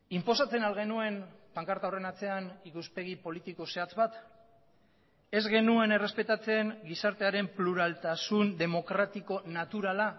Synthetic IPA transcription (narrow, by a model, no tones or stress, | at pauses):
impo̞sat͡se̞nalɣ̞e̞nue̞npaŋkaɾt̪awre̞nat͡se̞anikuspe̞ɣ̞ipo̞lit̪iko̞se̞at͡sβat̪ | e̞zɣe̞nue̞ne̞re̞spe̞t̪at͡se̞ŋɡisaɾt̪e̞aɾe̞mpluɾalt̪asund̪e̞mo̞kɾat̪iko̞nat̪uɾala